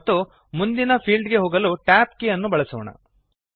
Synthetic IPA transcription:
t̪ːu | mund̪inɐpʰiːlɖɡe̞ɦoːɡɐluʈaːp̚kejɐnːubɐɭɐsɔːɳɐ̰

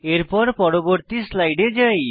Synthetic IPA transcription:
eɾpɔɾpɔɾoboɾt̪islajɖed͡ʒaj

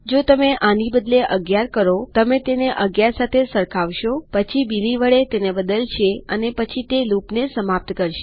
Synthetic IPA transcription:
d͡ʒot̪əmeʔʔanibəd̪leʔəɡjaɾkəɾot̪əmet̪eneʔəɡjaɾsat̪ʰesəɾkʰaʋʃopət͡ʃʰibiliʋəɭet̪enebəd̪əlt͡ʃʰeənepət͡ʃʰit̪elupnesəmap̚t̪kəɾʃe̥

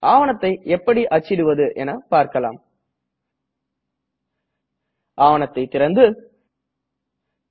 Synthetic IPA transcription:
ʔaːʋɐnɐt̪ːɐɪɛpːɐɽiʔɐt͡ʃːɪɽɯʋɐðɯʔɛnɐpaːɾkɐla̰ːm | ʔaːʋɐnɐt̪ːɐɪt̪ːɪɾɐnd̪ɯ

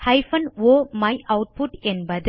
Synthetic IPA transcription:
hɐɪfɐnʋoːmɐɪʔɐʊʈ̚pʊʈɛnbɐð

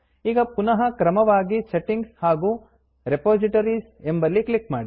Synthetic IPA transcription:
iːɡɐpunɐɦɐkɾɐmɐʋaːɡiseʈiŋɡshaːɡuː | ɾepoːd͡ʒiʈoːɾis | embɐlːiklikmaːɽi

